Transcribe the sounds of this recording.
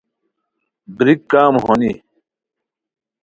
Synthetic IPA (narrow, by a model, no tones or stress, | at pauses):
bɾikːaːmɦoni